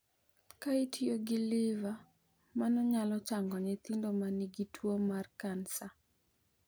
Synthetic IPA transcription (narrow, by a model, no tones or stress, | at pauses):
kaitʰioɡɪlɪva | manɔɲalɔt͡ʃaŋɡɔɲet̪indomaniɡitʰwomarkansa